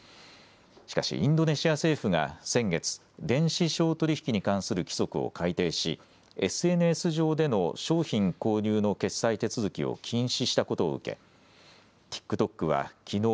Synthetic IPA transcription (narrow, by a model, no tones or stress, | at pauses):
ɕi̥kaɕḭʔĩnd̪o̞ne̞ɕiase̞ːɸɯ̟ɡa̰sẽ̞ŋɡe̞t͡sɨ̥ | d̪ẽ̞ɰ̃ɕiɕo̞ːt̪o̞ɾʲiçi̥kʲiɲ̟ikãɰ̃sɨɾɯ̟kʲi̥so̞kɯ̟o̰kʰait̪e̞ːɕḭ | e̞sɨe̞nɯesɨʑo̞ːd̪e̞no̞ɕo̞ːçĩŋko̞ːɲɨːno̞ke̞sːait̪e̞t͡sɨzɨkʲḭo̰kʲʰĩɰ̃ɕiɕi̥t̪ako̞t̪o̞̰ːɯ̟ke̞̰ | t̪ʲi̥kːɯ̟t̪o̞kːɯ̟βa̰kʲʰino̞ː